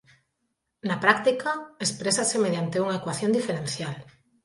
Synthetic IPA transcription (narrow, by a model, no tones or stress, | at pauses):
napɾak̚t̪ikaespɾesasemeðjant̪euŋaekwaθjond̪ifeɾenθjal